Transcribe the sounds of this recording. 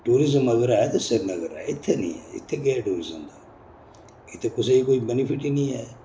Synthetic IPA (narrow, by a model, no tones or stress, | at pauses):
ʈuːɾɪzəməɡəɾaːet̪eseɾnəɡəɾa̰ːeɪt̪ʰːenḭ̃ːɛ̰ːɪ̰t̪ʰːeɡeɛːʈuːɾɪzəmd̪aː | ɪt̪ʰːekʊseikoːibɛnɪpʰɪʈinĩːɛː